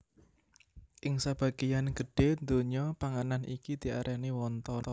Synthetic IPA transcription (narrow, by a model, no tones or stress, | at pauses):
ʔɪŋsab̥a̤ɡ̥ijanɡ̥ə̤ɖ̥e̤nd̪oɲɔpaŋananikid̪̥i̤aɾʔaniwɔnt̪ɔɔ